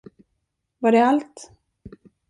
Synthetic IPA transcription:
vaɖɛalt̪

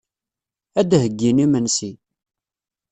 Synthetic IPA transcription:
æd̪həɡːinimənsi

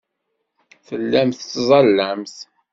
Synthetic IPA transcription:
θəlːæmθt͡sːzˤɑlːæmθ

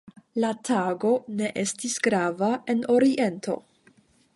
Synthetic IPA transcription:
latʰaɡo̞ne̞ʔe̞stisɡɾavae̞no̞ɾiʔe̞ntʰo̞̰

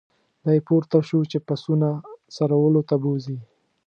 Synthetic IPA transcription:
d̪ajpoɾt̪aʃuwt͡ʃepasunasaɾawəlot̪abozi

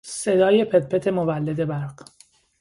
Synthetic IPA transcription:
sed̪ɒːje̞pʰet̪̚pʰet̪ʰe̞movælːed̪e̞bæɾɢ

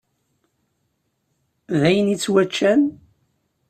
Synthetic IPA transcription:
ðæjənit͡sːwæt͡ʃːæn

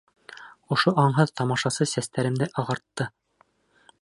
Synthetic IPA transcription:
ŏʃoʔɑɴɦɤðt̪ɑmɑʃɑsɤsæst̪æɾɘ̆md̪ɘʔɑʁɑɾt̪ːɤ

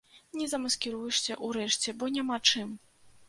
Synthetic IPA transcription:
nʲɛzɐmɐskʲɛɾujɛʂsʲɐʔuɾɛʂt͡sʲɛbɔnʲamat͡ʂɨm

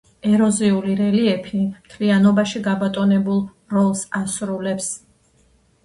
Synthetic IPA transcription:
ɛɾɔziuliɾɛliɛpʰimt̪ʰlianɔbaʃiɡabat̪ʼɔnɛbulˠ | ɾɔlˠsasɾulɛps

